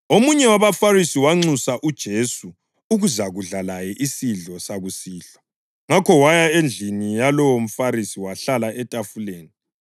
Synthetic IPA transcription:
omuɲɛwaβafarisiwaŋ͡ǀusaʔud̥ʒ̥ʱesu | uɣuzaɣuɮalajɛʔisiɮɔsaɣusiːɬwḁ | ŋakʰɔwajaend͡ɮʱinijalɔwom̩faɾisiwaɬalaʔɛtʼafuleːni

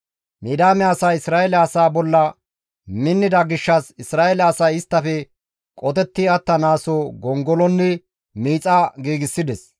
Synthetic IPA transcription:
miːd̪aːmɛaːsaɪsɾaːɛlɛɐsaːbɔlːɐ | mɪnːɪd̪ɐɡɪʃːɐsɪsɾaːɛlɛɐsɐjɪst̪ːɐfɛ | kʼɔt̪ɛt̪ːɪɐt̪ːɐnaːsoːɡɔŋɡɔlɔnːɛ | miːt͡sʼɐɡiːɡɪsːɪd̪ɛs

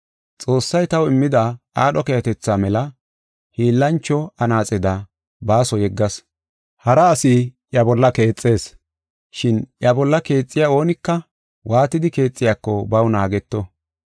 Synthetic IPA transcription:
t͡sʼo̞ːsːɐjt̪ɐwɪmːɪd̪ɐʔaːɗɔkɛjɐt̪ɛt͡sːaːmɛlɐ | hiːlːɐnt͡ʃːɔɐnaːt͡sʼɛd̪ɐ | baːsɔjɛɡːɐs | hɐɾɐːsiʔjɐbɔlːɐke̞ːt͡sʼːe̞ːs | ʃɪnʔjɐbɔlːɐke̞ːt͡sʼːɪjaːo̞ːnɪkːɐ | wʔaːt̪ɪd̪ɪke̞ːt͡sʼːɪjaːkːɔbɐwnaːɡɛt̪ːɔ

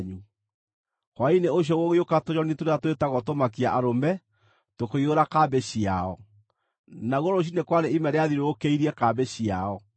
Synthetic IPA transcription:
ɲu | kwaineoɕ̬jɔɣoɣeokatoɲɔnitoɾeatoetaɣɔtomakiaʔaɾomɛ | tokoioɾakabeɕiaɔ | naɣoɾoɕ̬inekwaɾeimɛɾeaðiɾookeiɾiɛkabeɕiaɔ

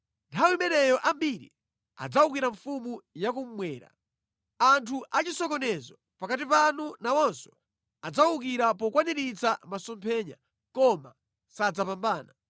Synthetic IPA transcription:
ntʰawimɛnɛjɔʔambiɾḭ | a̰d͡zauk̬iɾaɱfumujak̬um̩mwɛːɾa̰ | antʰuʔat͡ʃisɔkɔnɛzɔ | pakat̬ipanunawɔnsɔ̥ | ad͡zauk̬iɾapɔkwaniɾit͡samasɔmpʰɛːɲa̰ | kɔma̰ | sad͡zapambaːna

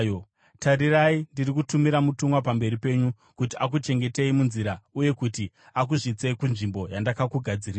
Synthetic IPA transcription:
o | taɾiraindirikutumiɾamutumwap̬ambe̞ɾipe̞ɲu | kutiʔakut͡ʃe̞ŋɡe̞te̞imunziɾauje̞kuti | ak̬uʐit͡se̞ikunʐimbo̞jandakakuɡʱad͡ziriːa

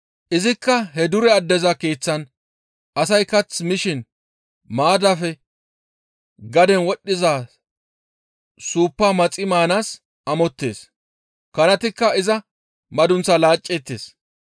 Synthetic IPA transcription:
ʔɪzɪkːɐɦɛd̪ʊɾɛɐd̪ːɛzɐke̞ːt͡sːɐn | ʔɐsɐjkɐt͡smɪʃɪn | maːd̪ɐfɛ | ɡɐd̪ɛnwɔɗːɪzaː | suːpːamɐt͡sʼɪmaːnaːs | ʔɐmɔt̪ːe̞ːs | kɐnɐt̪ɪkːɐɪzɐ | mɐd̪ʊnt͡sːɐlaːt͡ʃʼːɛt̪ːḛːs

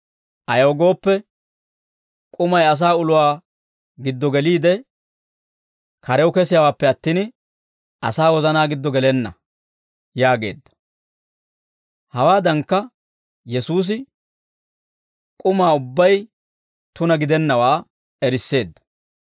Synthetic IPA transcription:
ʔɐjoːɡo̞ːpːɛ | kʼʊmɐjɐs̬aːʊlʊwaː | ɡɪd̪ːɔɡɛliːd̪ɛ | kɐɾɛwʊkɛsɪjawaːpːɛɐt̪ːiːn | ʔɐsaːwɔzɐnaːɡɪd̪ːɔɡɛlɛnːɐ̰ | jaːɡe̞̰ːd̪ːɐ̥ | hɐwaːd̪ɐŋkːɐ | jɛsuːs̬ɪ | kʼʊmaːʊbːɐj | t̪ʊnɐɡɪd̪ɛnːɐwaː | ɛɾɪsːe̞ːd̪ːɐ̥

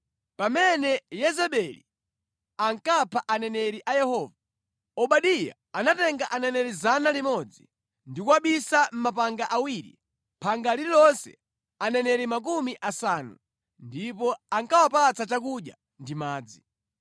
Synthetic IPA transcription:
pamɛnɛjɛzɛɓɛli | aŋkapʰaʔanɛnɛɾiʔajɛhɔːva | ɔɓaɗija̰ | anatɛŋɡaʔanɛnɛɾizanalimɔd͡zi | ndikuwaɓisam̩mapaŋɡaʔawiɾḭ | pʰaŋɡaliɾilɔnsɛ̰ | anɛnɛɾimak̬umiʔasanṵ | ndipɔaŋkawapat͡sat͡ʃak̬uɗja̰ | ndimaːd͡zi

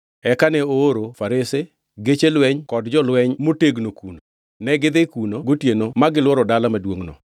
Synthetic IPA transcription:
ɛkanɛoːɾofaɾese | ɡet͡ʃelwɛɲkɔdd͡ʒɔlwɛɲmoteɡnokuno | nɛɡɪd̪ɪkunoɡotjenomaɡɪlwɔɾɔdalamadwoŋnɔ̰

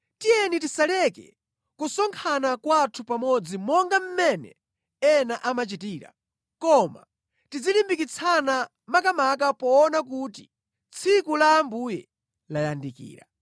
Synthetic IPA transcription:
tijɛnitisalɛkɛ̰ | kusɔŋkʰanakwatʰupamɔd͡zimɔŋɡam̩mɛnɛ̰ | ɛnaʔamat͡ʃitiːɾa̰ | kɔma̰ | tid͡zilimbikit͡sʰana | makamak̬apɔːnak̬uːti | t͡sʰikulambujɛ | lajandikḭːɾa̰

